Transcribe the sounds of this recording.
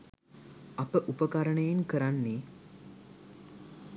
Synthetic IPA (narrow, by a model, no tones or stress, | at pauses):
apəʔupəkaɾəɳəjeŋkəɾanːi